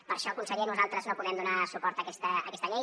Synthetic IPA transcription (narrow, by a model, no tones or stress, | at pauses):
pəɾʃɔkunsəlinuzalˠt̪ɾəznopuðɛmd̪unasupɔɾt̪əkɛst̪əːkɛst̪əʎej